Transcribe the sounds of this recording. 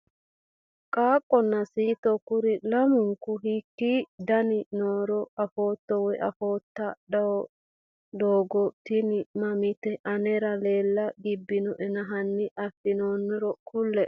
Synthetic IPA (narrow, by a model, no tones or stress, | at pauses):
kʼaːkʼːɔnːɐsiːt̪ɔkʊɾɪlɐmʊŋkʊɦikːid̪ɐnɪnoːɾɔɐfoːt̪ːɔwɔʔɐfoːt̪ːɐɗɐwɔ | d̪oːɡɔt̪ɪnɪmɐmɪt̪ɛʔɐnɛɾɐleːlːɐɡɪbːɪnɔʔɛnɐɦɐnːɪʔɐfːɪnoːnːɔɾɔkʊlːɛ